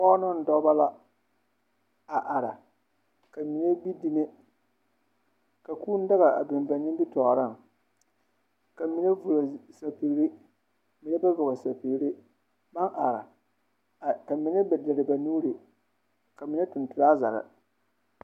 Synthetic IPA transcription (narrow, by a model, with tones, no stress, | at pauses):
pɔ˦nʊ˦n̩˨dɔ˦ba˦la˦ | a˨ʔa˨ɾa˨ | ka˨mi˨ne˦bi˦di˦ne˦ | ka˨kuː˦n̩˦da˦ɣa˨a̰˨bɪ˨m˨ba˨ɲɪ˦bi˦tɔ˨ɾa˦˨ŋ | ka˨mi˨ne˦vu˨ɾa˨sa˨pi˨ɣɾi˦ | mi˨ne˦ba˦ɡʊ˨ba˨sa˨pi˨˦ɾi˦ | ba˦nʔa˨ɾa̰˨ | ka˨mɪ˨ne˦bdɪ˨ɾɪ˨ba˨nuː˦ɾi˨ | ka˨mi˨ne˦tʊ˨ntʊ˨ɾa˦za̰˨ɾɪ̰˨